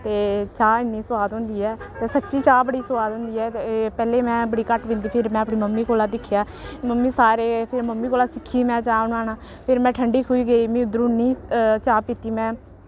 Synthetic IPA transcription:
t̪eːt͡ʃaːɪnːiːsʊaːd̪ɦʊ̃nd̪iːɛːt̪eːsətːʃiːt͡ʃaːbəɽiːsʊwaːd̪ɦʊ̃nd̪iːɛːpɛːleːmɛ̃ːbəɽiːkəʈʋɪ̃nd̪iːpʰɪɾmɛ̃ːəpɽiːməmːiːkoːlaːd̪ɪkʰːjaː | məmːiːsaːɾeːpʰɪɾməmːiːkoːlaːsɪkʰːiːmɛ̃ːt͡ʃaːnaːnãː | pʰɪɾmɛ̃ːʈʰəɳɖiːkʰuiːɡəiːmĩːʊd̪ɾuːnːĩːt͡ʃaːpiːt̪iːmɛ̃ː

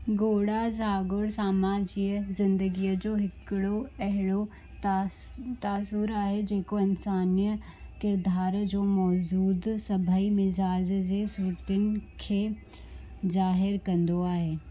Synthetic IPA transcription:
ɡoːɽazaːɡʊɽsaːmaːd͡ʒɪzɪ̃nd̪əɡijəd͡ʒoːɦɪkɽoɛɦɽo | t̪aːsuɾaːɦed͡ʒeːkoɐnsaːnjə | kɪɾd̪ʱaːɾd͡ʒoːmɔːd͡ʒuːd̪sɐbʱəimɪzaːd͡ʒzesuɾt̪ɪnkʰe | d͡ʒaːɦɪɾkɐ̃nd̪oaɦeː

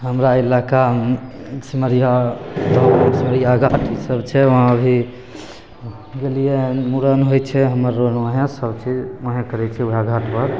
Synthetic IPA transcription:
ɦəmɾailaka | siməɾijaɾɔesiməɾijaɡʱaʈisəbt͡ʃʰɛʋoɦãəbʱi | ɡelijemuɾənɦojt͡ʃʰɛɦəməɾːonaɦẽsəbt͡ʃʰid͡ʒoɦẽkəɾɛt͡ʃʰɛuɦaɡʱaʈpəɾ

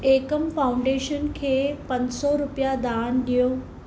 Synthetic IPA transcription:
eːkəmfaːʊ̃ɳɖeːʃənkʰeːpɐ̃ɲsɔɾʊpijad̪aːnɗijoː

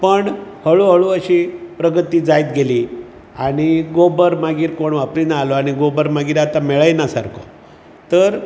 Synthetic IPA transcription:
pəɳhəɭuɦəɭuəɕipɾəɡət̪iːd͡zajt̪ɡeliː | aɽ̃iɡobəɾmaɡiːɾkoɳʋapɾinaːlɔaɽ̃iɡobəɾmaɡiːɾat̪amɛɭəjnasa̰ɾkʰɔ̰ | t̪əɾ

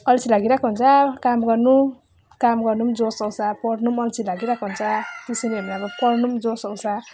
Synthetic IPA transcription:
ʌlt͡sʰilaɡiɾakoɦunt͡sʰakamɡʌrnu | kamɡʌɾnumd͡zosʌwsapʌɾnumʌlt͡sʰilaɡiɾakʰoɦunt͡sʰat̪isineɦʌmiʌbʌpʌɾnumd͡zosʌwsa

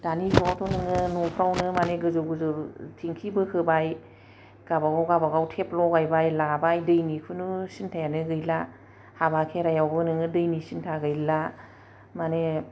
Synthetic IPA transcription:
d̥anizuwawtʰɔnɯŋɯnɔpʰɾawnɯmaneɡɯzɯwɡɯzɯwtʰiŋkʰibɯkʰɯbaj | ɡ̥abaɡawɡabaɡawtʰeplɔɡajbajlabajdɯjnikʰɯnusintʰajanɯɡɯjla | habakʰeɾajawbɯnɯŋɯdɯjnisintʰaɡɯjla | mane

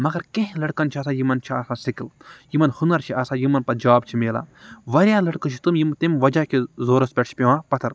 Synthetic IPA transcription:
mɐɡɐɾkẽɦĩlɐɽkɐnt͡ʃʰɐsaːjimɐnt͡ʃʰiaːsãːsikljimɐnhunɐɾt͡ʃʰiʔasaːjimɐnpɐd͡ʒaːbt͡ʃʰimeːla̰ːʋɐɾʲjaːlɐɽkɐt͡ʃʰi̥t̪umjimt̪imʋɐd͡ʒakizoːɾɐspʲɐʈt͡ʃʰi̥pʲiʋãːpɐt̪ʰɐɾ

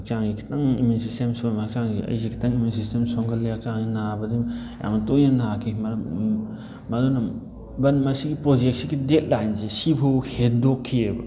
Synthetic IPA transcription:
k̚t͡ʃaŋɡikʰi̥taŋimunsistemsomak̚t͡ʃaŋɡiɐ̰jsekʰi̥tʰaŋimjuns̬istemsɔŋɡɐlːiak̚t͡ʃaŋɡinabɐdimja̰ŋɐtojnɐnakʰimɐɾ | mɐdonɐ | bɐnmɐsiɡipɾod͡ʒek̚siɡidet̚lajnsesipʰowhedokʰːiebɐ̰

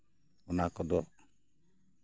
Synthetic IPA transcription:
ɔnakɔd̪ɔ

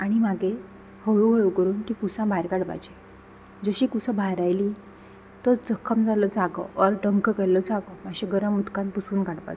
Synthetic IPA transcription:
aɽ̃imaɡʱe | həɭuɦəjwkəɾuːnk̪iːkusãbʱajɾkaɽpa̰d͡ʑe | d͡zəɕiːkusəbʱajɾajliː | t̪ɔt͡səkʰːəmd͡zaləːt͡saɡə̰ʋəɾɖəŋkəkɛləd͡zaɡəmaɕeɡəɾəmut̪kãnpusuːnkaɽpa̰t͡s

